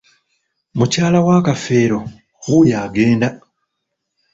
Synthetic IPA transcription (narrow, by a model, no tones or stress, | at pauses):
mucaːlawaːkafe̞ːɾo̞ | xujaːɡe̞ːnda